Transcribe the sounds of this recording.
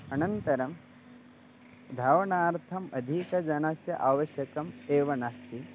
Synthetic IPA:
ɐnɐnt̪ɐɾɐm | d̪ʱaːʋɐɳaːɾt̪ʰɐmɐd̪ʱikɐd͡ʒɐɳasjɐʔaːʋɐʃjɐkɐmeːʋɐnast̪i

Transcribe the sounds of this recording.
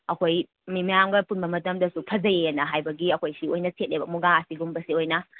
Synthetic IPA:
ɐkʰoj | mimɐjamɡɐpunbɐmɐtɐmdɐsupʰɐzɐjeenɐɦajbɐɡiɐkʰojsiojnɐtʰet̚lebɐmuɡaɐsiɡumbɐsiojnɐ

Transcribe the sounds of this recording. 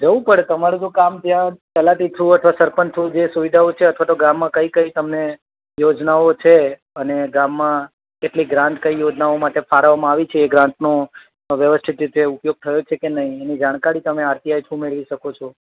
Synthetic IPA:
d͡ʒəʋũpəɽet̪əmaɾud͡ʒũkamt̪jãt͡ʃəlaʈ̪it̪ʰuət̪ʰʋasəɾpənt̪ʰud͡ʒesuʋid̪ʱaot͡ʃʰeət̪ʰʋat̪oɡamːãkəikəit̪əmne | jod͡ʒnaot͡ʃʰe | əneɡamːã | keʈliɡɾãɳʈkəijod͡ʒnaomaʈefʰaɾəʋamãaʋit͡ʃʰeːɡɾãɳʈno | ʋjəʋəst̪ʰit̪it̪eupjoɡ̚t̪ʰəjot͡ʃʰekenəɦĩenid͡ʒaɽ̃kaɾit̪əmeaɾt̪iajt͡ʃʰũmeɭʋiʃəkot͡ʃʰo

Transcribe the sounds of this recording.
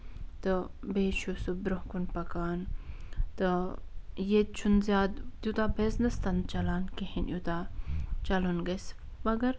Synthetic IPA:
t̪ɨbeːʃusubɾohkunpɐkaːn | t̪ɨ | jet͡ʃʰunzʲjaːd̪d̪jut̪abeznɐst̪ɐn̚t͡ʃɐlaːnkehinʔjut̪aːt͡ʃɐlunɡɐs | mɐɡɐɾ

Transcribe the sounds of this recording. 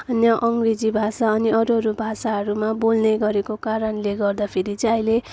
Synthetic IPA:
ʌnjaʔʌŋɡred͡zibʱasaʌniʌɾʌɾubʱasaɦʌɾumabolnʌjɡʌɾekokaɾʌnleɡʌrd̪apʰeɾit͡sʌʌjle

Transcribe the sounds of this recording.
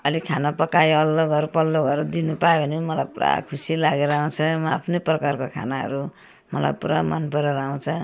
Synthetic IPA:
ʌlikʰanapʌkajoʌlːoɡʌɾupʌlːoɡʌɾud̪inupajobʱʌnimʌlajpuɾa̰kʰusilaɡeɾʌaũt͡sʰʌmʌapʰneprʌkarkokʰa̰naɦʌ̰ɾu | mʌla̰jpuɾamʌnpʌɾeɾaũw̃t͡sʰʌ

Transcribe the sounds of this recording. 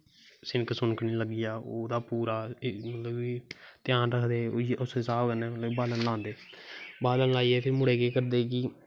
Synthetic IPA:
sɪnksʊnkniːləɡijaːoːd̪aːpuːɾaːmət̪ləbiːt̪jãːnɾəkʰd̪eːʊssaːbkəneːləbaːlənlãːnd̪eːbaːlənlaːiːɛːpʰɪɾmʊɽeːkeːkəɾd̪eːkɪː

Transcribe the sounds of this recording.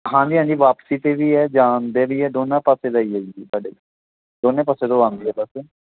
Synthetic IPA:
ɦãːɲd͡ʒiːɦãːɲd͡ʒiːʋaːpsiːt̪eːʋiːɦɛːd͡ʒaːnd̪eːʋiːɦɛːd̪oːnãːpəseːɾəiːəiɡiːbəɖeː | d̪oːnẽːpəseːd̪oːãːnd̪iːɦɛːbəseː

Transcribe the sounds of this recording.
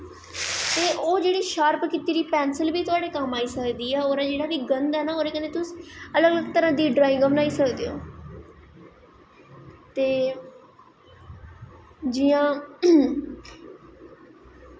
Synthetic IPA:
t̪eːʔoːd͡ʒeːɽiːʃaːɾpkit̪iːɾiːpɛːnsəlbiːt̪ʊaːɽeːkəmaːiːsəkd̪iːɛːoːɾãːd͡ʒeːɽaːʋiːɡənd̪ɦɛːnaːoːɾeːkəneːt̪ʊsələɡələɡt̪əɾãːd̪iːɖɾaːɪ̃ŋɡəmnaːiːsəkd̪eːoː | t̪eː | d͡ʒijãː

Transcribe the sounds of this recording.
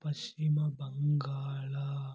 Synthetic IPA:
pɐsimabaŋɡaːla

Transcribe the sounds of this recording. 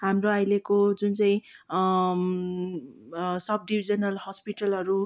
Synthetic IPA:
ɦamroajlekod͡zunt͡saĩ | sʌb̚ɖibʱid͡zʌnʌlhʌspiʈʌlɦʌɾu

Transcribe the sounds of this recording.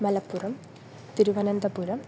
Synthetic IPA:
mɐlɐpːurɐm | t̪iɾuʋɐnɐnd̪ɐpuɾɐm

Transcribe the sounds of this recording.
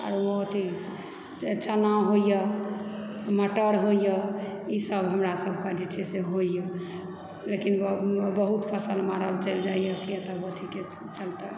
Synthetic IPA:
a̰ɾot̪i | t͡ʃənaɦoijə | məʈəɽɦoijəisəbɦəmɾasəbʱkad͡ʒet͡ʃʰɛseɦoijə | lekinbbəɦut̪pʰəsəlmaɾəlt͡ʃəjld͡ʒaijəkjet̪əbət̪ʰike | t͡ʃəlt̪ə

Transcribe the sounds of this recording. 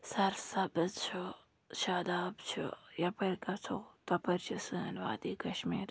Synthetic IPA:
sɐɾsɐbɨzt͡ʃʰo | ʃaːd̪aːbt͡ʃʰṵjɐpɐɾkɐt͡sʰot̪ɐpɐɾt͡ʃʰisɨnʋa̰ːd̪iːkɐʃmiːɾ

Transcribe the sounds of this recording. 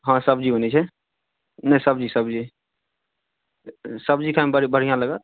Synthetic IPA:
ɦãsəbd͡ʒiɦonɛt͡ʃʰɛ | nə̃səbd͡ʒisəbd͡ʒi | səb̚d͡ʒikʰambəɽibəɽ̤ijãləɡət̪̚

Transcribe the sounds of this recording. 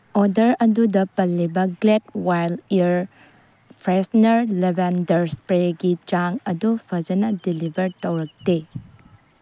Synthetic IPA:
ɔdɐɾɐdudɐpɐlːibɐɡlet̚wajliɾ | pʰɾesnɐɾlebandɐɾspɾeɡit͡ʃaŋɐdupʰɐd͡ʒɐnɐdilibɐɾtɐwɾɐk̚te

